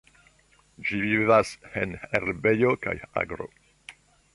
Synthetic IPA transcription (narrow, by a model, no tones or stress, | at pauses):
d͡ʒivivaseneɾbejo̞ka̰ja̰ɡɾo̰